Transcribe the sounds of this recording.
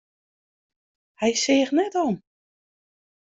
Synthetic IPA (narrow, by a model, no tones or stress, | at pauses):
hɛjsɪːxnɛtɔn